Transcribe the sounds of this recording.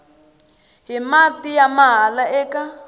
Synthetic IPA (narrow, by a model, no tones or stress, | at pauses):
ɦimatijamaɦalaɛːka